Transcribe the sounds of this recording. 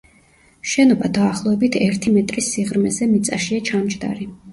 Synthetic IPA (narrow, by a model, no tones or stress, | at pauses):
ʃɛnɔbad̪aːχlˠɔɛbit̪ʰɛɾt̪ʰimɛt̪ʼɾisiʁɾmɛzɛmit̪sʼaʃiat͡ʃʰamt͡ʃʼd̪a̰ɾi